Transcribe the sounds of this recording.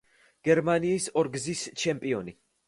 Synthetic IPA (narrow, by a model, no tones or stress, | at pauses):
ɡ̥ɛɾmaniːsɔɾɡzist͡ʃʰɛmpʼiɔni